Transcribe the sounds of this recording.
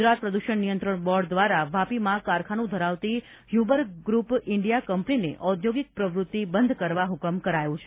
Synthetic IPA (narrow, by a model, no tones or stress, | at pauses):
d͡ʒɾat̪̚pɾəd̪uʃəɳnijənt̪ɾəɳbɔɖd̪ʋaɾaʋapimãkaɾkʰanũd̪ʱəɾaʋt̪i | hjubəɾɡɾupɪɳɖijakəmpənineʔʔɔd̪ʱjoɡik̚pɾəʋɾʊt̪ːibənd̪ʱkəɾʋaɦukəmkəɾajũt͡ʃʰe